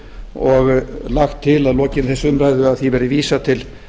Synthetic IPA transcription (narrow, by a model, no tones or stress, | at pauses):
ɔɣlaxt̪ʰːɪlaðlɔːcɪnθɛsːʏmɾajðʏaðθivɛɾɪviːsat̪ʰɪl